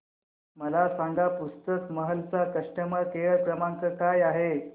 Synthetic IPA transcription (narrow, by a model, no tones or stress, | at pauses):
məlasaŋɡapust̪əkməɦəlt͡sakəʂʈəməkeɭɭkɾəmaŋkəkajaɦe